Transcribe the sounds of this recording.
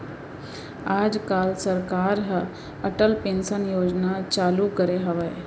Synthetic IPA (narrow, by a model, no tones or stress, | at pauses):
aːd͡ʒkaːlsəɾkaːɾɦ | ɐʈəlpẽːnʃənjoːd͡ʒnat͡ʃaːlukəɾeɦɐʋə